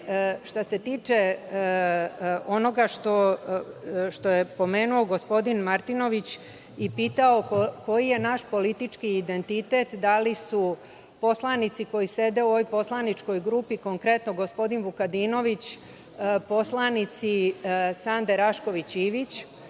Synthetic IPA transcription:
ʃt̪ase̞t̪iːt͡ʃe | o̞no̞ɡaʃt̪o̞ | ʃt̪o̞jepo̞me̞ːnuo̞ɡo̞spo̞d̪inmaɾt̪ino̞ʋit͡ɕ | ipiːt̪ao̞kko̞jije̞naʃpo̞lit̪it͡ʃkiːd̪e̞nt̪it̪e̞t̪d̪alisu | po̞slˠanit̪siko̞jise̞d̪e̞uoʋojpo̞slˠanit͡ʃko̞jɡɾupiko̞ŋkɾe̞t̪no̞ɡospo̞d̪inʋukad̪ino̞ʋit͡ɕ | po̞slanit̪sisand̪eɾaʃko̞ʋit͡ɕiːʋit͡ɕ

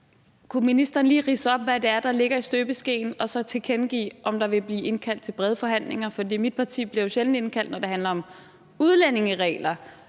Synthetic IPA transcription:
kʰuminisd̥ɐːn̩liːʁiːsəɒ̽b̥ʋæd̥e̝æɐd̥ɑ̈le̝ɡ̥ɐisd̥øːb̥əsɡ̥e̝̰ːnɒ̽sɒ̽t͡sʰe̝kʰenɡ̥ḭːʔɒ̽md̥ɑ̈ʋe̝b̥liːʔe̝nkʰæl̰d̥̚t͡sʰe̝lb̥ʁɛð̞ˠfɒ̽ɦæn̰le̝ŋɐfɒ̽d̥ḭːmid̥̚pʰɑ̈t͡sʰḭːb̥liɐjoɕeln̩e̝nkʰæl̰d̥nɒde̝hænlɐɒ̽m | uð̞ˠlene̝ŋəʁɛ̰ːlɐ

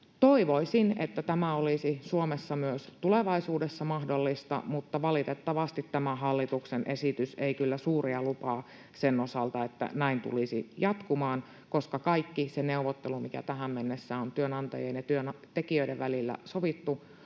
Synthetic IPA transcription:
t̪oiʋoisinḛt̪ːæt̪æmæolisisuomesːɑmyøst̪uleʋɑisuːdesːɑmɑhdolːist̪ɑ̰mut̪ːɑʋɑlit̪et̪ːɑʋɑst̪it̪tæmæɦɑlːit̪uksenʔesit̪yseikylːæsuːriɑlupɑː | senosɑlt̪ɑet̪ːæ̰næint̪ṵlisijɑt̪kumɑːn | koskɑkɑikːiseneuʋot̪ːelumikæ̰t̪æɦæmmenːesːæːnont̪yønɑnt̪ɑ̰jenjɑt̪yønt̪ekiøiɾeʋʋælilːæ̰soʋit̪ːu

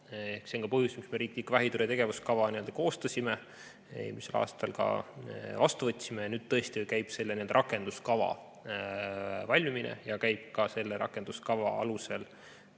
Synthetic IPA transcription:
ehkseoŋkɑpɤ̞ɦjusmiksme̞ɾiːklikvæɦit̪uɾet̪e̞ɡ̥e̞vuskɑvɑnie̞ld̪ɑko̞ːst̪ɑsʲime | ḛlmise̞lʔɑ̰ːst̪ɑlkɑ̰vɑst̪uvɤt̪ʲːsimejɑnyːd̪̚t̪ːɤ̞e̞st̪ikæjb̥se̞lːnield̪ɑɾɑkːˑe̞nd̪̥uskɑvɑ̰ | vɑlʲmiminḛjɑkæjb̥̚kɑse̞lːeɾɑ̰kːˑe̞nd̪̥uskɑvɑɑ̰luse̞l

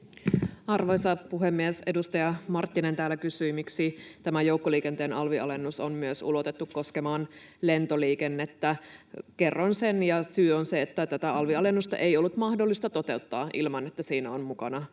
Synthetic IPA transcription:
ɑrʋojsɑpuɦemːiese̞dust̪ɑjɑmɑrt̪ːinent̪æːlːækysyimiksit̪æmæjouwkːoliːkent̪eːnɑlʋiɑ̰le̞nːusonmyøsṵlo̞t̪e̞t̪ːukkːo̞skemɑːn | le̞nt̪oliːkenːet̪ːæke̞rːonsenjɑsyːonseːt̪ːæt̪æt̪æɑlʋiɑle̞nːust̪ɑ̰ʔe̞jo̞lːut̪mɑhdolːist̪ɑt̪o̞t̪e̞ut̪ːɑːʔilmɑne̞t̪ːæsiːnæonmukɑnɑ

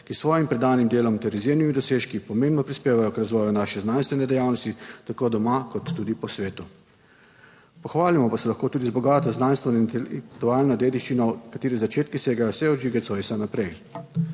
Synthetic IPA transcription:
kisʋɔːjimpɾɛd̪aːnimd̪eːlɔmt̪ɛɾizjeːmnimid̪ɔseːʃkipɔmeːmbnɔpɾispeːʋajɔkɾazʋɔːjunaʃɛznaːnst̪ʋɛnɛd̪ɛjaːwnɔst̪it̪akoːd̪ɔmakɔt̪ːuːd̪ipɔsʋeːt̪u | pɔxʋaːlimɔpasɛlaxkoːt̪uːd̪izbɔɡaːt̪ɔznanst̪ʋɛnɔint̪ɛlk̚t̪uaːlnɔd̪eːd̪iʃt͡ʃinɔkat̪eːɾizat͡ʃeːt̪kiseːɡajɔsɛɔd͡ʒiɡɛt̪sɔjsanapɾɛj

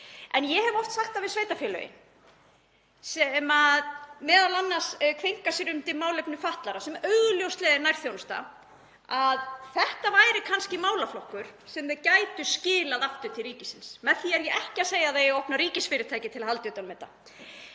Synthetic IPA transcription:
ɛnjɛɦɛvɔft̪saxt̪avɪðsveːjt̪afjɛːlœ̰ːjɪ̰n | sɛmaðmɛːðalanːaskʰvejŋ̥kasɪɾʏmt̪ɪmaːwlɛpnʏfaht̪laɾasɛmœɥɣʏljowst̪lɛːðɪnajɾ̥θjownst̪a̰ | aðθɛht̪avaːjɾɪkʰanscɪmaːwlaflɔhkʏɾ̥sɛmðɪðcaːjt̪ʏscɪːlaðaft̪ʏt̪ʰɪlriːcɪsɪnsmɛðθiaɾjɛɛhcɪaseːjaðejowhpnaɾiːcɪsfɪːɾɪt̪ʰajcɪt̪ʰɪlahalt̪jʏːt̪anmɛːt̪a̰

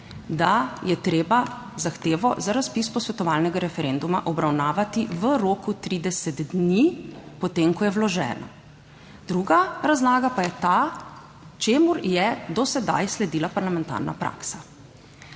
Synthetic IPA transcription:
d̪ajɛt̪ɾeːba | zaxt̪eːʋɔzaɾaspispɔsʋɛt̪ɔʋaːlnɛɡaɾɛfɛɾend̪uma̰ʔɔbɾawnaːʋat̪iʋəɾoːkut̪ɾid̪ɛsɛd̪d̪nipɔt̪eːŋkɔjɛwlɔʒɛ̰ːnɔ̰ | d̪ɾuɡaɾazlaːɡapajɛt̪a | t͡ʃemuɾjɛd̪ɔsɛd̪a̰jslɛd̪iːlapaɾlamɛnt̪a̰ɾna̰pɾʔa̰ksa

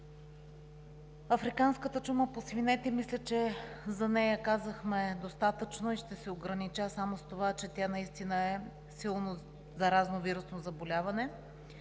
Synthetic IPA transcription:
ɐfɾikanskət̪ət͡ʃuməposvinɛt̪ɛmislʲət͡ʃɛzɐnɛjəkazəxmɛd̪ost̪at̪ət͡ʃnoiʃt̪ɛsɛoɡɾɐnit͡ʃasamost̪ovat͡ʃɛt̪ʲjanɐist̪inəɛ | silˠno | zɐɾaznoviɾʊsnozɐbolʲavɐnɛ

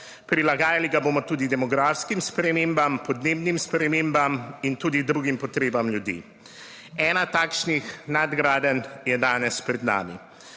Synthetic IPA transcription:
pɾilaɡaːjaliɡaboːmɔt̪uːd̪id̪ɛmɔɡɾaːfskimspɾɛmeːmbampɔd̪neːbnimspɾɛmembamint̪uːd̪id̪ɾuːɡimpɔt̪ɾeːbamljud̪ḭː | ɛːnat̪aːkʃnixnad̪ɡɾaːd̪ənjɛd̪aːnɛspɾɛd̪na̰ːmḭ

